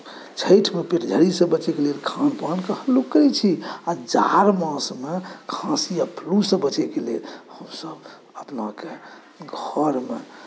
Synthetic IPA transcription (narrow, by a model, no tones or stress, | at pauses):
t͡ʃʰəɪʈʰmepeɾd͡ʒʱəɾisə̃bət͡ʃɛkelelkʰanpankəhəlukːɾɛt͡ʃʰiad͡ʒa̰ɾmãsmekʰãsiapʰlusə̃bət͡ʃɛkelelhəmsəb | əpnake | ɡʱəɾmḛ